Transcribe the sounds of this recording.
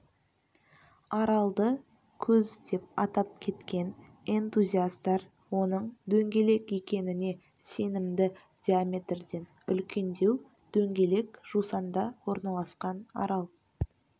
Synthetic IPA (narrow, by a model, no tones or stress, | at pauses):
ɑɾɑlˠd̪ə | kʲʰɵzd̪e̞p̚ɑt̪ɑp̚kʲʰe̞t̪kʲe̞n | e̞nt̪uzʲiast̪ɑɾ | wo̞nəɴd̪ɵŋɡʲe̞le̞kje̞kʲe̞nɪne̞ | se̞nɪmd̪ɪ | d̪̥ʲiamʲe̞t̪rd̪e̞n | ʏ̰lkʲʰe̞nd̪e̞w | d̪̥ɵŋɡʲe̞le̞kʒ̥usɑnd̪ɑwo̞ɾnɑlˠɑsqɑnɑ̰ɾɑlˠ